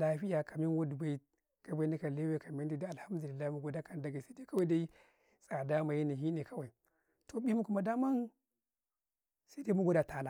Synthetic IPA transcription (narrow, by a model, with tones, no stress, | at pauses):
a˨ɸi˦ja˨ka˨mi˦n˦wo˦du˨ba˦i˦ | ɡ̥a˨ba˦ni˦ka˨le˦we˦ka˨mi˦n˦di˦da˦a˨lha˦m˦du˨li˨lːa˦i˦mu˦ɡo˦da˦ka˨n˨da˦ɡa˨sa˦i˦da˦ka˦wa˦da˦i˦ | sʼa˨da˦ma˨ji˦ni˨ɦi˦ni˨ka˦wa˨i˨ | to˨bi˦mu˦ku˨˦ma˨da˦ma˦n | sa˦da˦mu˦ɡo˦da˨ta˨na˨